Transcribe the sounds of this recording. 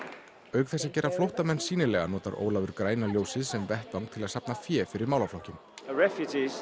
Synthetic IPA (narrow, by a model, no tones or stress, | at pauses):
œːɥkθɛsːaðcɛːɾaflowht̪amɛnːsiːnɪlɛɣanɔːt̪aɾʔo̰ːwlavʏɾkɾaːjnaljoːwsɪðsɛmvɛht̪vaŋk̚t̪ʰɪlaðsapnafjɛːfɪɾɪɾmaːwlawflɔhcɪm | ɹɛfjud͡ʒiz̥